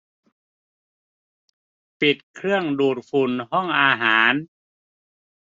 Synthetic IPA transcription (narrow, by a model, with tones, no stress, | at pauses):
pi˨˩t̪̚kʰɾɯ˥˩əŋduː˨˩t̪̚fʰu˨˩nhɔ˥˩ŋʔaː˧ɦaː˩˦n